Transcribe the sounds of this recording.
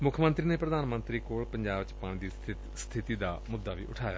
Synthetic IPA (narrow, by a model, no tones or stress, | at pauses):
mʊkʰjmənt̪ɾiːneːpɾəd̪aːnmə̃nt̪ɾiːkoːɭpəɲd͡ʒaːbt͡ʃəpaːɳid̪iːt | st̪ʰɪt̪iːd̪aːmʊd̪ːaːʋḭːʔʊʈʰaːja̰ː